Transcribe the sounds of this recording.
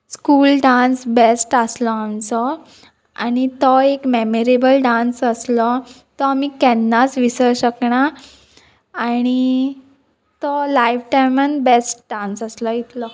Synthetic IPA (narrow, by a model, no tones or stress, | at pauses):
skuːlɖãnsbesʈəslɔamt͡sɔ | a̰ñit̪ɔekmemeɾebəlɖãnsəslɔ | t̪ɔamikɛnːat͡sʋisəɾɕəkɳa | ɽ̃i | t̪ɔlaifʈajmənbesʈ̚ɖãnsəslɔit̪lɔ